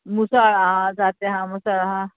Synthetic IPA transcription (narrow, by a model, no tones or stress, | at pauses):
musaɭaɦãd͡zat̪eɦãmusaɾaɦã